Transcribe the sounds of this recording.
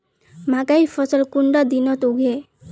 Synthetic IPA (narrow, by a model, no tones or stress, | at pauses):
m̤akaifəsəlkuɳɖad̪inɔt̪uɡʱe